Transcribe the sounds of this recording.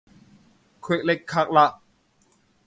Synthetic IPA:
kʰwe˨˧˩k̚le˧˥kʰːa˧˩k̚la˧ʔ

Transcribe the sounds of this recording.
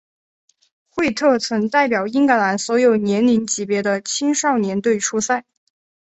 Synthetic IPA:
xwe˥˧ɪt̪ʰɤ˥˩t͡sʰwə˧˥ŋt̪a˥˩ɪpjɑ˨˩ʊi˥ŋka˧˥la˧˥nswɔ˧˥jo˨˩ʊnjɛ˧˥nli˧˥ŋt͡ɕi˨˩pjɛ˧˥d̪ə˧t͡ɕʰi˥ŋʂɑ˥˩ʊnjɛ˧˥nt̪̬we˥˩ɪʈ͡ʂʰu˥sa˥˩ɪ

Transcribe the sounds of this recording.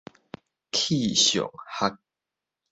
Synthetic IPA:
kʰi˥˨ɕjɔ̰˨˩ŋha˦˥k̚

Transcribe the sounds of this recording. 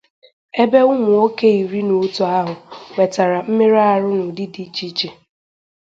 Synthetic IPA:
e˦be˦ʊ˦mʊ˨o˦ke˦i˨ɾi˦no˨˦tu˦a˦ɦʊ˨we˨ta˨ɾa˨m̩˦mɪ˦ɾa˦a˨ɾʊ˦nʊ˨dɪ˦di˨˦t͡ʃi˦t͡ʃe˨

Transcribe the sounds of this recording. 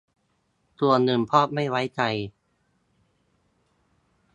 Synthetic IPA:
t̪u˧ɐnɯ˨˩mpʰɔː˥˩p̚ma˥˩jwa˦˥jt͡ɕa˧j

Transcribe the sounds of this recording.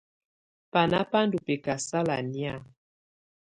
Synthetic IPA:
pa˨na˦pa˦ndu˨pe˨ka˨sa˦la̰˨ni˦a˦˨

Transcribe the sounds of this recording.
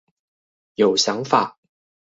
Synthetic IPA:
jo˨˩ʊɕjɑ˧˦ŋfa˨˩˦

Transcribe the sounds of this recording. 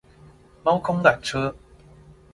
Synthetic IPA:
mɐ˥wkʰʊ˥ŋla˨˩nt͡ʃʰɤː˥

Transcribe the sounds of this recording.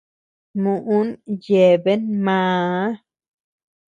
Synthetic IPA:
mu˨ʔu˦nje˨be˦nmã˧˦

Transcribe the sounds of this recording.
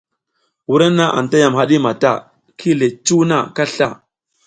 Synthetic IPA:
wu˦ɾa˦na˦ʔa̰˨n˨ta˦ja˨mɦa˦ɗi˦ma˨ta˦˨ | kʰi˦le˨t͡ʃu˦na˦˨ka˦ɬa˦˨

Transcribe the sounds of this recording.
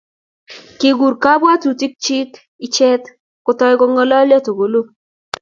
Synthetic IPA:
kɪ˨ɡu˨ɾka˦ba˦tu˨ti˦k̚t͡ʃɪ˦k | i˨t͡ʃɛ˦t | kʊ˨tɔ˦ɡɔ˦ŋɔ˦lɔ˦ljɔ˦to˨ɡo˨lo˦

